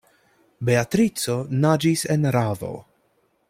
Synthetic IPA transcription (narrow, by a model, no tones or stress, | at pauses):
beat̪ɾit͡sonad͡ʒisenɾavo̞̰